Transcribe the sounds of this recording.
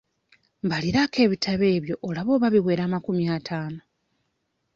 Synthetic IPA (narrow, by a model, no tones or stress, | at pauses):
mbaliɾakʰe̞ːβitʰaβe̞ːβjo̞ʔolaβo̞ːβaβiβwe̞ːɾaːmakumiatʰaːno